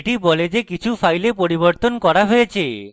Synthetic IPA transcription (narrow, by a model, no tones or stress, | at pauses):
ʈiboled͡ʑekit͡ɕʰufʰajlepoɾiboɾt̪onkɔɾaɦojet͡ɕʰe